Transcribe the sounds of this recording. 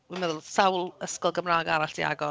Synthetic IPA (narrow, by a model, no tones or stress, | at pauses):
wimɛðʊlˠsawlˠəskɔlˠɡəmraːɡaɾaɬd̥ia̰ɡɔ